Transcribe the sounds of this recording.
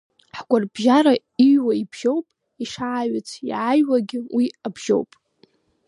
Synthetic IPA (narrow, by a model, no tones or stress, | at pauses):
ħɡʷʼarbʒaɾa | iɥwaibʒ̥o̞wpʼ | iʂaʕːɥat͡sʷʰḭʕajwaɡʲɪwʔiabʒ̥o̰wpʼ